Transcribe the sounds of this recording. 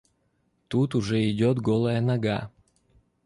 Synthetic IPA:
t̪ut̪ʊʐɛɪdʲot̪ɡolˠɐjanaɡa

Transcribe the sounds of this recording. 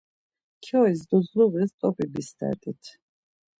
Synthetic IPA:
kʰɔisd̪uzluɣist̪ʼɔpʼibist̪ʰɛ̰ɾt̪ʼit̪ʰ

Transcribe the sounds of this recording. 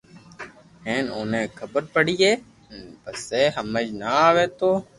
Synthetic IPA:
ɦẽːnoːnẽːkʰəbəɾpəɽiːeː | bəseːɦəməd͡ʒnaːʋeːt̪oː

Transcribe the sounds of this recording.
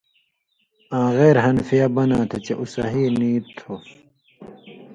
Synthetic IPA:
ãːɣeːɾɦɐnfijɐbɐnãːt̪ʰet͡ɕeʔusɐɦiːniːt̪ʰːo

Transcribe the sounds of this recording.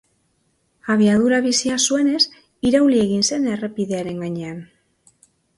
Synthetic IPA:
aβ̞iað̞uɾaβ̞isiasue̞ne̞s | iɾawlie̞ɣinse̞nere̞piðe̞aɾe̞ŋɡaɲe̞an

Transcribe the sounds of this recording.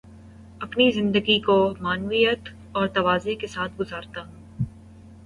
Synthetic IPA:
ɐpnizɪ̃nd̪əɡikomaːnʋijət̪ | ɔːɾt̪ɐʋaːzekesaːt̪̚ʰɡʊzaːɾt̪aɦũː

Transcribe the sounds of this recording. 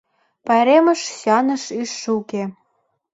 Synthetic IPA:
pɑjɾemə̆ʃɕɑnɤ̆ʃyʃːuke

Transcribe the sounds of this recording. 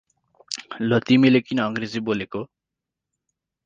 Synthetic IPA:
lʌt̪imilekinʌʌŋɡred͡ziboleko

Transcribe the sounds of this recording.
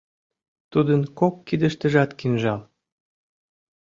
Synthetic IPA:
t̪ud̪ənkokːid̪əʃt̪əʒɑt̪kinʒɑl

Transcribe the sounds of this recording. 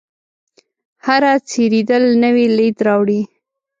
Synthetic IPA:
haɾat͡seɾid̪əlnəwiled̪ɾɑwɽi

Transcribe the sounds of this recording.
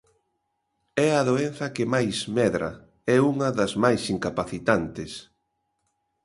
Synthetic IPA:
ɛɐðoen̟θɐkɪmajsmɛðɾɐ̰ | ɛuŋɐðɐzmajsiŋkapaθit̪ant̪ɪs

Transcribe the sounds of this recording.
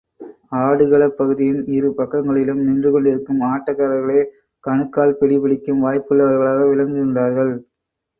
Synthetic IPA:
aːɽɯɣɐɭɐpːɐɣɯðɪjɪnɪɾɯpɐkːɐŋɡɐɭɪlɯmnɪndrɯkɔɳɖɪɾɯkːɯmaːʈːɐkːaːɾɐɾɣɐɭeː | kɐɳɯkːaːɭpɛɽipɪɽɪkːɯmʋaːjpːɯlːɐʋɐɾɣɐɭaːɣɐʋɪlɐŋɡɯɣɪndraːɾɣɐɭ

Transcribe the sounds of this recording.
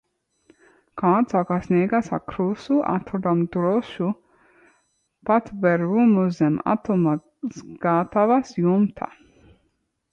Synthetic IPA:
kaːd̪sakasnʲeɡasa̰kɾusuʔa̰t̪ɾɔd̪amd̪ɾɔʃu | pat̪vɛɾumuzɛma̰t̪ɔma | sɡ̥at̪avasjumt̪ʰa̰

